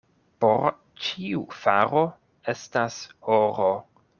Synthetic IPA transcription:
po̞̰ɾ | t͡ʃiufaɾo | e̞stashoɾo

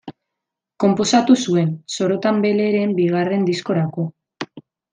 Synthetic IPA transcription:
ko̞mpo̞sat̪usue̞nso̞ɾo̞t̪ambe̞le̞ɾe̞mbiɣ̞are̞nd̪isko̞ɾako̞

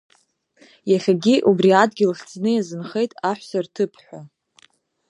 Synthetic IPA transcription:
jaχʲaɡʲiʔubriadɡʲilχʲt͡sʰnɨjazɨnχejtʼaħʷsartʰɨpʰħʷᶣa

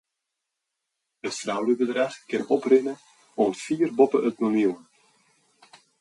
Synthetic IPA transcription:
ətsrawləbədraχkɪnɔprɪnə | ɔnfiːrbɔpəət̚monilˠ

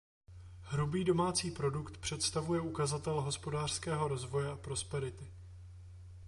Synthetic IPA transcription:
hɾubiːdo̞maːt͡siːpɾo̞dukt̪pr̝̥ɛt̪st̪avujɛukazat̪ɛlɦo̞spo̞daːr̥skɛːɦo̞ɾo̞zvo̞jɛapɾo̞spɛɾɪt̪ɪ

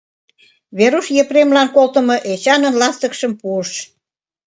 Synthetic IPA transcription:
βeɾuʃjepremlɑnkolt̪ə̆mɤ̆ʔet͡ɕɑnə̆nlɑst̪ə̆kʃə̆mpuəʃ

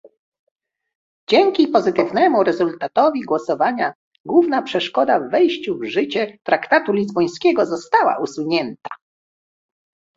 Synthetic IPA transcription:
d͡ʑɛŋkʲipɔzɘt̪ɘvnɛmuɾɛzult̪at̪ɔvʲiɡwɔsɔvaɲa | ɡwuvnapʂɛʂkɔd̪avːɛjɕt͡ɕuvʐɘt͡ɕɛt̪ɾakt̪at̪ulʲizbɔj̃skʲɛɡɔzɔst̪awa̰ʔusuɲɛnt̪ḁ

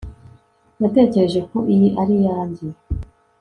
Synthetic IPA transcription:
nate̞ːce̞ɾe̞ʒe̞koʔijiʔaɾijaːɲɟi

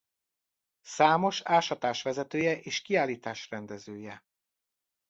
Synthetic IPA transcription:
saːmo̞ʃaːʃɒt̪aːʃʋɛzɛt̪øːjɛʔeːʃkiaːliːt̪aːʃrɛnd̪ɛzøːjɛ

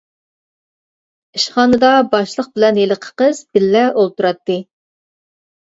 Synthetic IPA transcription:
iʃχɑːnɨd̪ɑbɑʃlˠəq̚bɪlɛnjeləqʰə̥qəz̥bɪlːɛolˠt̪uɾɑt̪ːɨ

